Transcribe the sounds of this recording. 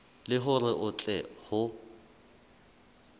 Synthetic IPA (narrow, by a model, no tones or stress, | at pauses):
lɪɦʊrɪʔʊt͡ɬʼɛhʊ